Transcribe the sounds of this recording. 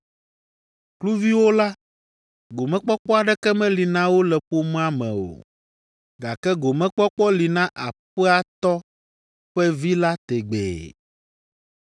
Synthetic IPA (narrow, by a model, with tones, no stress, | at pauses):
klu˦vi˦wo˦la˦ | ɡo˨mɛ̃˦k͡pɔ˦k͡pɔ˦a˨ɖɛ˦kɛ˦mɛ̃˦li˨nã˦wo˦lɛ˨ɸo˦mẽ˦a˦mɛ̰̃˨o̰˨ | ɡa˨kɛ˦ɡo˨mɛ̃˦k͡pɔ˦k͡pɔ˦li˨nã˦ʔa˨ɸɛ˦a˦t̪ɔ˦ | ɸɛ˦vi˦la˦t̪ɛ˨ɡ͡bḛː˨